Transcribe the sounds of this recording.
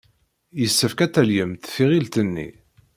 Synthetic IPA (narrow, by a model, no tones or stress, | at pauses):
jəsːəfkæt̪ːæljəmt̪θiʁilt̪ənːḭ